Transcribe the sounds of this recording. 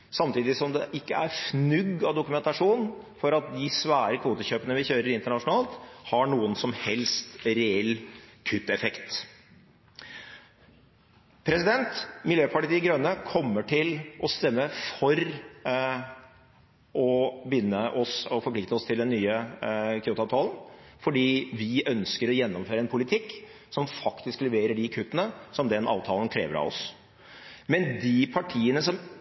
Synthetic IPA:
sɑmt̪ʰiːd̪ɪsɔmd̪ɛʔɪkːəæɾfnʉɡːɑʋd̪ʊkʉmɛnt̪ɑʂuːn | fɔɾɑt̪̚d̪ɪsʋæːɾəkʰʋuːt̪əçøːpənəʋɪçøːɾəɾɪnt̪əɳɑʂʊnɑːlt̪hɑɳuːənsɔmhɛlst̪ɾɛɛlːkʰʉt̪ːɛfɛkt̪ | pʰɾɛsɪd̪ɛnt̪mɪljøːpʰɑʈɪt̪iɡɾœnːəkʰɔmːəʈʰɪlʔɔst̪ɛmːəfɔɾ | ʔɔbjʏnːəʔɔsɔfɔɾpʰlɪkt̪əɔst̪ʰɪld̪ɛnːyːəkʰʏuːt̪ɑʋt̪ʰɑːlən̩fɔɖiːʋɪʔœnskəɾɔjɛnːɔmføːɾəɛnpʰʊlɪt̪ʰɪkː | sɔmfɑkt̪ɪsklɛʋeːɾəɖɪkʰʉt̪ːənəsɔmd̪ɛnʔɑ̰ːʋt̪ʰɑːlən̩kʰɾḛːʋəɾɑ̰ʋɔ̰s | mɛnd̪ipʰɑʈʰiːənəsɔm

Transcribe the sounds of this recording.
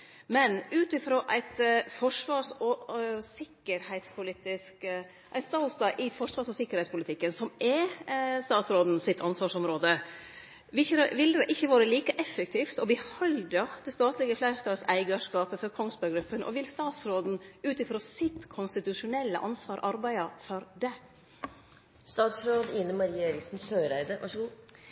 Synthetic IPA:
mɛnʉːt̪ɪfɾoːʔæɪt̪fɔʂʋɑːsɔsɪkːəɾhæɪt̪spʰʊlɪt̪ɪsk | ʔæɪst̪ɑst̪ɑʔɪfɔʂʋɑːʂɔsɪkːəɾhɛɪtspʰʊlɪt̪ʰɪkːənsɔmɛst̪ɑːt̪sɾoːd̪n̩sɪt̪ʰːɑnsʋɑːʂɔmɾoːd̪ə | ʋɪçəʋɪld̪ɛʔɪçːəʋɑːɾəliːkəʔɛfːəkt̪ʰiːft̪ɔbɪhɔld̪ɑd̪ɛst̪ɑːt̪lɪɡəflæɪɾt̪ɑsæɪɡɑʂkɑːpəfɔɾkʰɔŋst̪bɑɾɡɾʉpːənʔɔ̰ʋɪlst̪ɑːt̪sɾoːd̪n̩ʉːt̪ɪfɾoːsɪt̪kʰʊnst̪ɪt̪ʉʂʊnɛlːə̰ʔɑ̰nsʋɑːɾʔɑɾbæɪɑfɔɾd̪ɛ | st̪ɑːt̪sɾoːd̪ɪnːəmɑɾiːəeːɾɪksn̩ssøːɾæɪd̪əʋɑ̰ʂəɡuː

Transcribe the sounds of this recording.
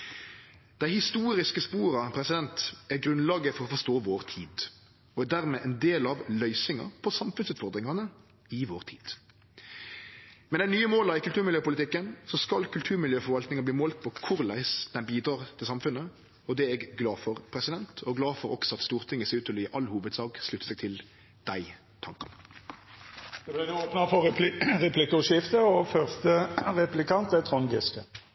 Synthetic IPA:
d̪̥æɪhɪst̪uːɾɪskəspuːɾɑpʰɾɛsɪd̪ɛnt̪æɾɡʁʉnlɑːɡəfɔɾɔfɔʂt̪oːʋoːʁt̪ʰiːd̪ | ɔæd̪æʁmɛʔɛnd̪eːlɑʋlœʏsɪŋɑ̰pʰɔsɑmfʉnsʉːt̪fɔʁd̪ʁɪŋɑnə | ɪʋoːʁt̪ʰiːd̪̥ | mɛnæɪnyːəmoːlɑɪkʉlt̪ʉːʁmɪljøːpʊlɪt̪ɪkːənsɔskɑlkʉlt̪ʰʉːʁmɪljøːfɔɾʋɑlt̪nɪŋɑbliːmoːlt̪̚pʰɔkʰʊʁlæ̰ɪsd̪̥ɛnbiːd̪ɾɑːʁt̪ʰɪlsɑmfʉnə | ɔd̪ɛɛːɡɡlɑːfɔʁpʰɾɛsɪd̪ɛnt̪ʰɔɡlɑːfɔɾɔksɔɑt̪st̪uːʁt̪ʰɪŋːəseʉːt̪ɔliːʔɑlːhuːʋəd̪sɑːɡslʉt̪ə̥sɛːɡ̚t̪ʰɪl | d̪̥æɪ | t̪ʰɑŋkɑn | d̪̥ɛblæɪnuoːpnɑfɔʁɛpʰlɪkʊʃɪft̪əɔfœʁst̪əʁɛplɪkɑnt̪ɛt̪ʰʁɔŋɡɪskə

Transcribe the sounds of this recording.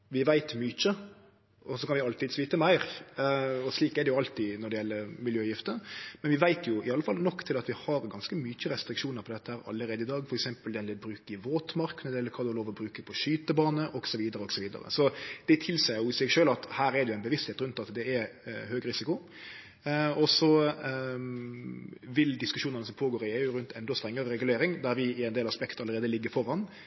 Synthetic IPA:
ʋɪʋæɪt̪myːçə | ɔsɔkɑnʋɪʊɑlt̪ɪd̪sʋiːt̪əmæɪɾ | ɔsliːkɛd̪ɛjʊɑlt̪ɪnɔɖɛjɛlːəɾmɪljøːjɪft̪əmɛnʋɪʋæɪt̪ʰjʊɪɑlːəfɑlnɔkːt̪ʰɪlɑt̪ʋɪhɑɾɡɑnskəmyːçəɾɛst̪ɾɪkʃuːnəɾpʰɔd̪ɛt̪ːəhæːɾɑ̰lːəɾeːd̪əɪd̪ɑːɡfɔɾɛksɛmpəld̪ɛnlɛbɾʉːkəɪʋoːt̪mɑɾkʰːnəd̪ɛlːəɾkʰɑːd̪ɔloːʋɔbɾʉːkəpʰɔʃyːt̪əbɑːnəʔɔɡsɔʋiːd̪əɾəɔɡsɔʋiːd̪ə̰ɾə̰sɔd̪̥ɛt̪ʰɪlsæɪjʊɪsɛɡʃøːlɑt̪hæːɾɛd̪ɛjʊæɪbəʋɪst̪heːt̪ɾʉnt̪ɑt̪d̪ɛɛɾhøːɡɾɪsɪkʊ | ɔsɔ | ʋɪld̪ɪskʉʂuːnənəsɔmpʰoːɡoːɾɪeːʊɾʉnt̪ɛnd̪ɔst̪ɾɛŋːəɾəɾɛɡʉleːɾɪŋd̪æɾʋɪɪɛɪnd̪eːlɑspɛkt̪əɑlːəɾeːd̪əlɪɡːəɾfɔɾːɑn

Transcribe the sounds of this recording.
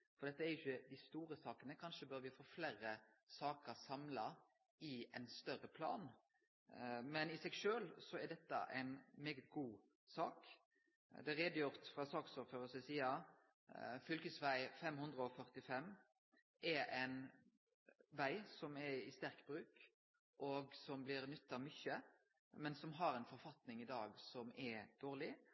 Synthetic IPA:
fɔɾd̪ɛt̪ːəæɾjʊçːəd̪ɪst̪uːɾəsɑːkənəkʰɑnʂəbœɾʋɪfoːfleːɾə | sɑːkəɾsɑmlɑ | ɪɛɪnst̪œɾəpʰlɑ̰ːn | mɛnɪsɛɡʃøːlsɔæd̪ɛt̪ːə̰ʔɛ̰ɪnmeːɡət̪̚ɡuː | sɑːk | d̪ɛʁeːd̪əjʊʁt̪fʁɑsɑːksɔføːʁəsəsiːɑ | fʏlkəsʋæɪfɛmhʉnd̪ʁəɔfœʁt̪ɪfɛmː | ʔɛɾæɪn | ʋæɪsɔmɛɪst̪æɾkbɾʉːk | ʔɔɡsɔmblɪɾnʏt̪ːɑʋmʏçə | mɛnsɔmɦɑɾɛɪnfɔɾfɑt̪nɪŋɪd̪ɑːɡsɔmɛɾd̪̥oːʁlɪ

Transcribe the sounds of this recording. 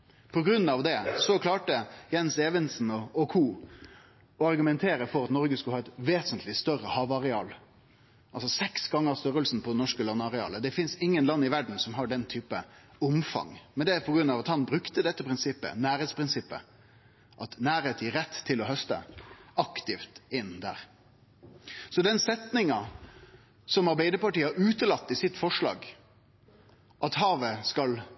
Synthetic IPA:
pʰɔɡɾʉnːɑʋd̪ɛsɔkʰlɑːʈəjɛnseːʋənsn̩ɔɔkʰuː | ɔɑɾɡʉmɛnt̪ʰeːɾəfɔɾɑt̪nɔɾɡəskʉləhɑːɛt̪ʋeːsənt̪ʰlɪst̪œɾəhɑːʋɑɾɛɑ̰ːl | ʔɑlsɔsɛksɡɑŋːəɾst̪œɾəlsn̩pʰɔd̪ɛnɔʂkəlɑnːɑɾɛɑ̰ːləd̪ɛfɪnsɪŋːənlɑnːɪʋæɖɳ̩sɔmɦɑɖɛnt̪ʰyːpəʊmfɑ̰ŋmɛnd̪ɛpʰɔɡɾʉnːɑʋɑt̪hɑnbɾʉkt̪əd̪ɛt̪ːəpʰɾɪnsɪpːə̰næːɾeːt̪spʰɾɪnsɪpːə̰ | ʔɑt̪næːɾeːt̪ʰiːɾɛt̪ʰːɪlɔhœst̪ə̰ɑkt̪ɪft̪ɪnːd̪æ̰ːɾ | sɔd̪ɛnsɛt̪nɪŋɑ | sɔmɑɾbæɪd̪əpɑʈiːɑʉːt̪əlɑt̪ːɪsɪt̪ːfɔʂɭɑ̰ːɡ | ʔɑt̪ɦɑːʋəskɑl

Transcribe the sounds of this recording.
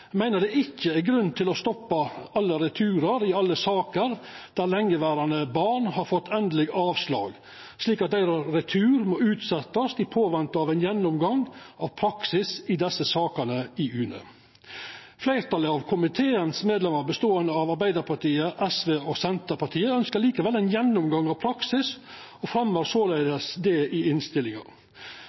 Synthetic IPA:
mæɪnəd̪ɛɪçːəæɡɾʉnːt̪ʰɪlɔst̪ɔpːɑɑlːəɾɛt̪ʰʉːɾəɾɪɑlːəsɑːkəɾd̪̥æɾlɛŋːəʋæːɾɑnəbɑːɳhɑɾfɔt̪ʰːɛnd̪əlɪɡɑːʋslɑ̰ːɡ | sliːkɑt̪̚d̪æɪɾɑɾɛt̪ʰʉːɾmoːʉːt̪sɛt̪ːɑsd̪ɪpʰoːʋɛnt̪əɑːʋɛɪnjɛnːʊmɡɑŋɑʋpʰɾɑksɪsɪd̪ɛsəsɑːkɑnəɪʉːnə̰ | flæɪɾt̪ʰɑləɑʋkʰʊmɪt̪ʰeːənsmeːd̪lɛmɑɾbəst̪oːənd̪əɑʋɑɾbæɪd̪əɾpʰɑʈʰiːəʔɛsʋeːɔsɛnt̪əɾpɑʈʰiːəœnskəɾɭiːkəʋɛlːɛɪnjɛnːʊmɡɑŋːɑʋpʰɾɑksɪs | ɔfɾɛmːəɾsoːleɪd̪əsd̪ɛɪɪnst̪ɪlɪŋɑ̰

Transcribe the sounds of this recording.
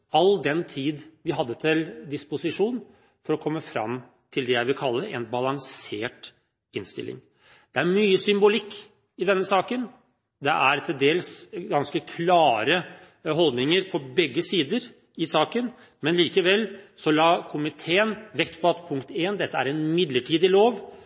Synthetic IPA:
ɑld̪ɛnt̪ʰiːd̪ʋɪɦɑd̪ːət̪ʰɪld̪ɪspʊsɪʂuːn | fɔɾɔkʰɔmːəfɾɑ̰m | t̪ʰɪld̪ɛjæɪʋɪkʰɑlːəɾɛ̰nbɑlɑŋseːʈ | ɪnst̪ɪ̰lʔɪ̰ŋ | d̪̥ɛæɾmyːəsʏmbʊlɪkː | ɪd̪ɛnːəsɑːkən | d̪ɛʔæɾt̪ʰɪld̪eːlsɡɑnskəkʰlɑːɾə | ɦɔld̪nɪŋəɾpʰɔbɛɡːəsiːd̪əɾ | ɪsɑːkən | mɛnliːkəʋɛlːsɔlɑːkʰʊmɪt̪ʰeːənʋɛkt̪pʰɔɑt̪pʰʊŋkt̪eːnd̪ɛt̪ːəæ̰ɾɛnmɪd̪ləʈʰiːd̪ɪloːʋ

